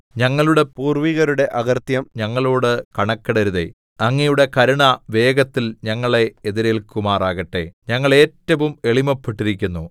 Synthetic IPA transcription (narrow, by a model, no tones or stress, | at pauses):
ɲɐŋːɐɭuɽe̞puːrʋiɣɐɾuɽe̞ʔɐɣɐrt̪jɐmɲɐŋːɐɭoːɽɨkɐɳɐkːɐɽɐɾuðḛ | ɐŋːijuɽe̞kɐɾuɳɐʋe̞ːɡɐt̪ːilɲɐŋːɐɭe̞ːðiɾɐjilkumaːraːɣɐʈːe̞̰ɲɐŋːɐɭe̞ːtːɐʋume̞ɭimɐpːiʈːiɾik̬ʲːunːu